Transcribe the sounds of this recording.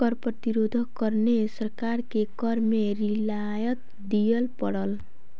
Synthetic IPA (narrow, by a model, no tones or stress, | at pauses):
kʌɾprʌt̪iɾod̪ʱʌkʌɾnesʌɾkaɾkekʌɾmeɾila | jʌt̪̚ | d̪ijʌlpʌɽʌl